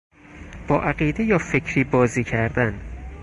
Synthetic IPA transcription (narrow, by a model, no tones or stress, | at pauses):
b̥ɒːʔæɢiːd̪ejɒːfecʰɾiːbɒːziːcʰæɾd̪æn